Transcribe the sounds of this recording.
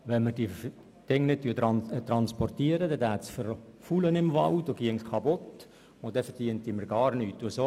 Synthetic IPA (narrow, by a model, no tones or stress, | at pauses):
ʋɛnməɾdi | d̥ɪŋːnɪt̚t̪yːɑt̪rɑnspɔrt̪iːəɾədɛdæːt̪sfərfulənɪmvɑwdoɡ̥iəŋskʰɑbʊt̪ | ʊd̥ɛfərd̥iənt̪ːimərɡ̥ɑːɾnyːt̚d̥uəso